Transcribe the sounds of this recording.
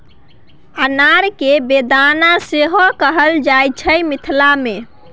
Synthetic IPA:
ənaɾkebed̪anaseɦokəɦəld͡ʒajt͡ʃʰəjmit̪ʰlame

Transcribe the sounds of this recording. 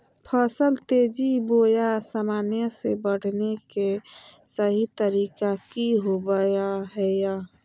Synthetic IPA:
pʰəsəlt̪ed͡ʒibojasaːmaːnjəsebəɽ̤ʱnekesəɦit̪əɾikakiɦobəjaɦɛja

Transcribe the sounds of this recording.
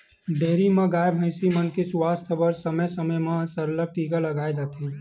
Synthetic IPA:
ɖeːɾimãɡaːjbɦə̃ɪsimənkeswaːst̪ʰbəɾsəməjsəməjmãsəɾləb̚ʈiːɡaləɡaːed͡ʒaːt̪ʰe

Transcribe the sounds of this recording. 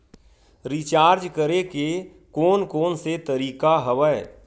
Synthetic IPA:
ɾit͡ʃaːɾd͡ʒkəɾeke | koːnkoːnset̪əɾiːkaɦəʋəe

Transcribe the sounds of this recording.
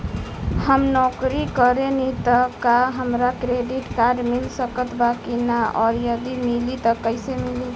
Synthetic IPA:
həmnɔkɾikəɾenit̪əkaɦəmɾakɾeɖiʈkaɖmilsəkət̪ʰbakinaɔɾjəd̪imilit̪əkəɪsemili

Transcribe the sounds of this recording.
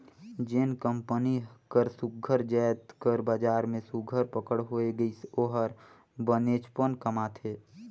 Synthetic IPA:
d͡ʒenkəmpənikəɾsʊk̚ɡʱəɾd͡ʒɛːt̪kəɾbad͡ʒaːɾmẽsʊkɡʱəɾpəkəɽɦoːeɡəisoːɦəɾ | bəneːt͡ʃpənkəmat̪ʰeː

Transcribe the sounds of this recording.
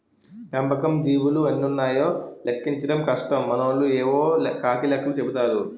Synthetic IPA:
pɐmbɐkɐmd̪iːwuluɐnːiunːaːjoːlekːiɲt͡ʃɐɽɐmkɐʂʈɐmːɐnoːlueːʋoːkaːkilɐkːɐlut͡ʃebit̪aːɾu

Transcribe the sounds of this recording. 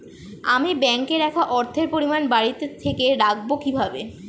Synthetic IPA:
amibɛŋkeɾɛkʰaʔɔɾt̪ʰeɾpoɾimanbaɽit̪et̪ʰekeɾak̚bokibʱabe

